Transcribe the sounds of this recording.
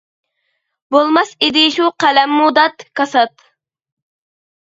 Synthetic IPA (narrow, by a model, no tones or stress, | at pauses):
bolˠmɑsid̪ɪʃuqʰælɛmːud̪ɑt̪kʰɑsɑt̪